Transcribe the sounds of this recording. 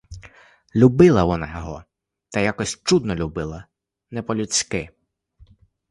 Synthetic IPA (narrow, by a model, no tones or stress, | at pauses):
lʲubɪlˠɐʋɔnajɔɦɔ | t̪ɐjakɔsʲt͡ʃud̪nɔlʲubɪlˠɐ | nɛpɔlʲut͡sʲkɪ